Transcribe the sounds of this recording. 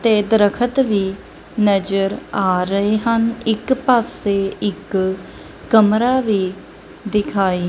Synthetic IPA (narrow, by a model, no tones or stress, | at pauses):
t̪eːd̪əɾəkʰət̪ʋiː | nəd͡ʒəɾaːɾəeːɦənɪkpaːseːɪkː | əmɾaːʋiː | d̪ɪkʰaːiː